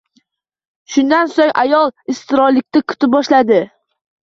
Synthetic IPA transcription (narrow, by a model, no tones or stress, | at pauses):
ʃʊnd̪ansoŋʔajɒlˠɪst̪ɪɾɒlɪk̚ʲt̪akʲʰʊ̥t̪ʰɪp̚bɒʃlad̪ɪ